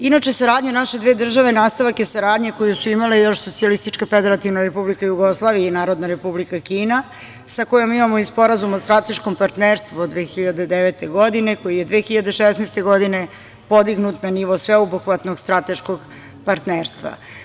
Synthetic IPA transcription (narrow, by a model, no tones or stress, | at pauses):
inat͡ʃesaɾaːd̪ɲenaʃe̞d̪ʋeːd̪r̩ʒaʋenaːst̪aʋakjesaɾaːd̪ɲekojusuimalejo̞ʃso̞t̪sialist̪it͡ʃkafe̞d̪eɾat̪iʋnaɾepublikajuɡo̞slˠaːʋijainaːɾo̞d̪naɾe̞publikakiːna | sako̞jomimamoispo̞ɾazumost̪ɾat̪e̞ʃkompaɾt̪neːɾst̪ʋud̪ʋeːxiʎad̪e̞d̪eʋet̪e̞ɡo̞d̪ineko̞jijed̪ʋexiʎad̪e̞ʃesnest̪e̞ɡo̞d̪ine̞ | po̞d̪iɡnut̪naniʋosʋeubuxʋat̪noɡst̪ɾat̪e̞ʃkoɡ | paɾt̪neːɾst̪ʋa̰